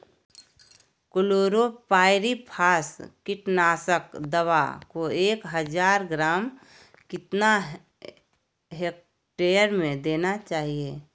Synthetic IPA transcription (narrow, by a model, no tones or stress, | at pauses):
kʊloːɾopaːɪɾipʰaːskɪʈnaːsəkd̪əwa̰koeːkɦəd͡ʒaːɾɡɾaːm | kɪt̪na | ɦek̚ | ʈeːjəɾmẽd̪eːnat͡ʃaːɦie